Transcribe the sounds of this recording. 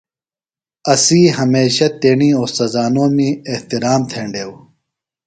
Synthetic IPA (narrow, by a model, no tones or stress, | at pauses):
ɐsiːɦɐmeːɕɐt̪eːɳiːoːsɐzaːnoːmieht̪iɾaːmt̪ʰeːɳɖeːw